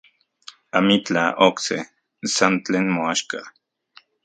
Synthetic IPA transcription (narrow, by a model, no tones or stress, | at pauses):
amit͡ɬa̰okse | sant͡ɬeːnmoaʃka